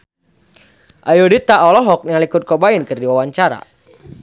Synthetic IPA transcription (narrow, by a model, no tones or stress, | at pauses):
ʔajodit̪aɔlɔɦɔk̚nalikʊt̪̚kobainkɨrdiwawaɲt͡ʃaɾa̰